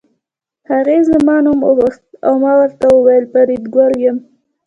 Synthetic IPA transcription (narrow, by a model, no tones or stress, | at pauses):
haɣezəmɑnumʊ̰bəxt̪̚a̰wmɑwəɾt̪awəwajəlpaɾid̪ɡwaɾjəm